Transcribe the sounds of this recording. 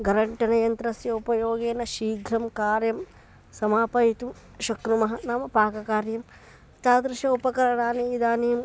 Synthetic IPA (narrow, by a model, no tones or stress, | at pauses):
ɡɐɾɐɳʈɐnɐjɐnt̪ɾɐsjɐupɐjoːɡeːnɐʃiːɡʱɾɐmkaːɾjɐm | sɐmaːpɐjit̪um | ʃɐkɾumɐɦɐnaːmɐpaːkɐkaːɾjɐm | t̪aːd̪ɾɪʃɐupɐkɐɾɐɳaːniid̪aːnim